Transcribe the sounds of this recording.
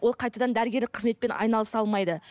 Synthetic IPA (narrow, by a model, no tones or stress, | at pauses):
wo̞lˠqʰɑjt̪ɑd̪ɑnd̪æɾɡʲe̞ɾlɪk̚qʰəzme̞t̪̚pe̞nʔɑ̰jnɑlˠəsɑlˠmɑjd̪ə